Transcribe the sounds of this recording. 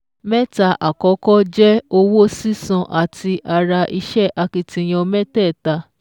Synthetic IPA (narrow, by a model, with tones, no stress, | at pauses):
mɛ˦ta˧ʔa˨kɔ˨˦kɔ˦d͡ʒɛ˦o˧wo˦si˦sɔ̃˧ʔa˨tʰi˧ʔa˧ɾa˧ʔi˧ʃɛ˦ʔa˧ki˧tĩ˧j̃ɔ̃˧mɛ˦tɛ˦˨ta˧